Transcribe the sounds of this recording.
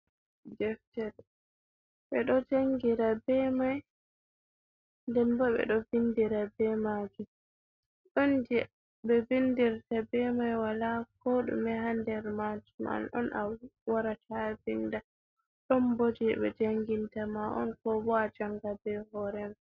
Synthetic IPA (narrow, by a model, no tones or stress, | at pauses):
d͡ʒɛftɛɾ | ɓɛɗɔd͡ʒaŋɡiɾabɛmaj | ndɛnbɔɓɛ̰ɗɔvindiɾabɛmaɡi | ɗɔnd͡ʒɛ | bɛvindiɾtabɛmajwalakɔɗṵmɛɦandɛɾmad͡ʒuma̰nɔ̰nʔa̰wwaɾatʰavinda | ɗɔnbod͡ʒiɓɛ̰d͡ʒaŋɡintamaʔɔ̰nkɔbɔad͡ʒaŋɡabɛhɔɾɛma